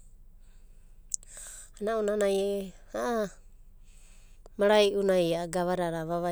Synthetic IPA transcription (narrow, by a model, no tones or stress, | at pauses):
anaonanaje | aʔa | maɾajʔunajaaɡaβaɾaɾaβaβa